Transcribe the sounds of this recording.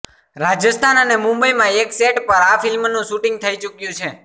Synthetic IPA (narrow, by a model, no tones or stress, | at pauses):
ɾad͡ʒəst̪ʰanənemʊ̃mbəimãekseʈpəɾafɪlmnũʃuʈĩŋɡ̚t̪ʰəit͡ʃukjũt͡ʃʰe